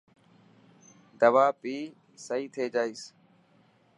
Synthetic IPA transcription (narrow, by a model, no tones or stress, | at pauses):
d̪əʋaːpiː | səiːt̪ʰeːd͡ʒaːiːs